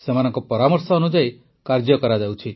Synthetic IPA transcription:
semanɔŋkɔpɔɾamɔɾsɔːnud͡ʒaj | kaɾd͡ʒɔkɔɾad͡ʒawt͡ʃʰi

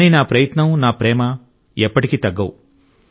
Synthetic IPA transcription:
ninaːpɾɐjɐt̪nɐmnaːpɾɛːmɐ | ɛpːɐʈikit̪ɐɡːɐwu

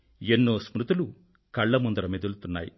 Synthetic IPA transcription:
enːoːsmɾut̪ulu | kɐɭːɐmund̪ɾɐmed̪ult̪unːaːjḭ

